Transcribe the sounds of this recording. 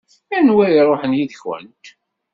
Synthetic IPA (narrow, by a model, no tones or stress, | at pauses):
ænwæjɾˤoħənjiðçwə̰nt̪